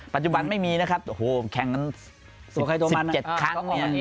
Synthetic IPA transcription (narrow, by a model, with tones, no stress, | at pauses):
pa˨t̪̚t͡ɕu˨ba˧nma˥˩jmiː˧na˦˥kʰa˦˥p̚ʔo˧hoː˨˩kʰɛ˨˩ŋːa˧n | tkʰa˧jt̪u˧sma˧nt͡ɕe˨˩t̪̚kʰa˦˥˧